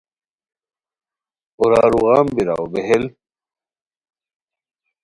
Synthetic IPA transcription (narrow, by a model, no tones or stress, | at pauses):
uɾaːɾuɣaːmbiɾa̰wbeɦel